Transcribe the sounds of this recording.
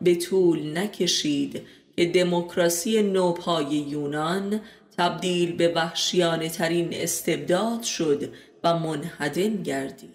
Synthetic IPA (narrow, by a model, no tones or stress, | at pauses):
be̞t̪ʰuːlnæcʰe̞ʃiːd̪ | cʰe̞d̪e̞mokʰɾɒːsije̞noːpʰɒːje̞juːnɒn | t̪ʰæbd̪iːlbe̞væhʃijɒːne̞t̪ʰæɾiːne̞̰st̪e̞b̚d̪ɒːd̪̥ʃo̞d̪ | væmonhæd̪e̞nɟæɾd̪iːd̪̥